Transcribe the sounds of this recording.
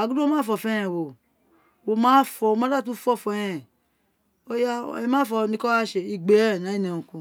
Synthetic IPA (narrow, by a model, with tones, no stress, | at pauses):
a˨ɡu˦do˦mãː˦fɔ˧˨fɛ̃˦ɛ̃˨wo˨ | wo˧mã˦fɔ˧o˧˦mã˦a˦˨t̬u˦fɔ˦˨fɛ̃˦ɛ̃˨ | o˦ja̰˦˨ɛ˨˦mãː˦fɔ˧˦nĩ˧˦kɔ˦a˦ʃe˨i˧ɡ͡be˨˦˨nã˨˦i˦n˨ɛ̃˨ũ˨kũ˧